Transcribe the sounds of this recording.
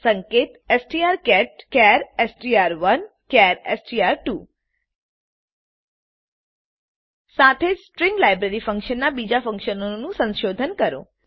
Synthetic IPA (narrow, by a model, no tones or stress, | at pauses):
sə̃ŋket̪esʈiaɾkɛʈ̚kɛɾesʈiaɾʋən | kɛɾesʈiaɾʈu | sat̪ʰed͡ʒsʈɾĩŋɡlajbɾeɾifə̃ŋkʃənːabid͡ʒafə̃ŋkʃənonũsə̃nʃod̪ʱənkəɾõ̰